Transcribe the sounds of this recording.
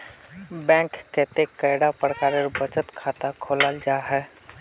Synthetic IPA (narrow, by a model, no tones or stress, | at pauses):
bɛ̃ŋkːet̪ekəɪɽapɾəkaɾəɾbət͡ʃət̪kʰat̪akʰoləld͡ʒaɦɛ